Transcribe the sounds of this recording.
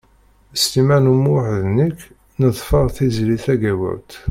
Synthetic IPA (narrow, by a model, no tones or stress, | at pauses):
st̪imænumuħðnik | nəðˤfəʁθizliθæɡæwə̰ɾt̪